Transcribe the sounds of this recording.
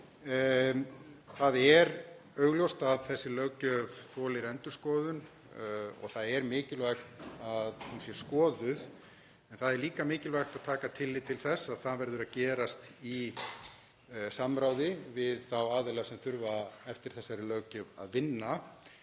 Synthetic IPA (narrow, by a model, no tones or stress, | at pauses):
θaðɛɾ | œɥɣljɔwst̪aðθɛsːɪlœɣcœvθɔːlɪɾɛnt̪ʏ̥skɔːðʏn | ɔ̰ɣθaðɛɾmɪːcɪlvajxt̪aðhunsjɛ̥skɔːðʏð | ɛnθaðɛɾliːkamɪːcɪlvajxt̪aðt̪ʰaːkat̪ʰɪlːɪt̪ʰɪlθɛsːaðθaðvɛɾðʏɾaðcɛːɾast̪i | samːɾaːwðɪvɪðθawaːðɛlɛɣasɛmθʏɾvaɛft̪ɪɾ̥θɛsːaɾɪlœːcʏva̰ðvɪnːa